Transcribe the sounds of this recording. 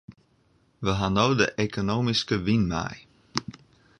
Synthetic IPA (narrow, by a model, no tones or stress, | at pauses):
ʋəɦanoːdəʔekonoːmiskəʋinmɛ̰j